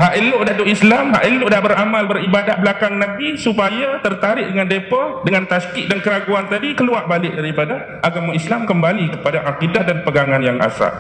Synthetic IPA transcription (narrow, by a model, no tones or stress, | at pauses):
haʔilʊʔdad̪uʔislamɦa̰ʔilʊʔdaʔbəɾamalbəribadat̪̚bəlakaŋnãbisupajat̪ərt̪aɾɪʔ̚dəŋandepadəŋant̪askiʔ̪̚dankəɾaɡuant̪adikəluaʔbalɪʔ̚daɾipada | ʔaɡamaislamkəmbalikə̥padaʔaqidatdanpəɡaŋanjaŋa̰sa̰